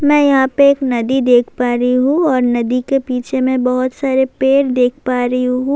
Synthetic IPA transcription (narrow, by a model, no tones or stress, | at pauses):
mɛ̃ːjɐɦãpeeːknɐd̪id̪eːkʰpaːɾɐɦiɦũɔːɾnɐd̪ikepiːt͡ʃʰemẽbɐɦʊt̪saːɾepeːɾd̪eːk̚ʰpaːɾɐɦĩɦũː